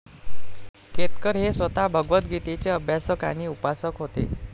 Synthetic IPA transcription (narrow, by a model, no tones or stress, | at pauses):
ket̪kəɾɦesʋət̪abʱəɡʋət̪ɡʱit̪et͡seəbʱjasəkaɽ̃iːupasəkɦot̪ḛ